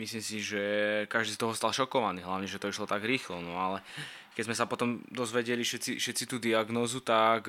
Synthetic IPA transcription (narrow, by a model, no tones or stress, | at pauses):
misliːmsiʒɛkaʒd̪iːst̪ɔɦɔst̪alʃɔkɔʋaniːɦlaʊɲɛʒɛt̪ɔiʃlɔt̪aɡɾiːxlɔnɔalɛ | kɛzmɛsapɔt̪ɔmd̪ɔzʋɛɟɛliʃɛt̪t͡sifʃɛt̪sit̪uːd̪iaɡnɔːzut̪ak